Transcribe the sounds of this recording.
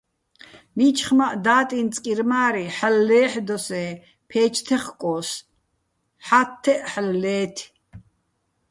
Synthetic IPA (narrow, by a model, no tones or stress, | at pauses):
mit͡ʃʰχmaʔd̪aːt̪ʼint͡sʼkʼiɾmaːɾiħəlːɛːħd̪ɔsɛː | pʰɛːt͡ʃʰt̪ʰɛχkʼɔːs | ħat̪ʰːɛʔħəlːɛːt̪ʰ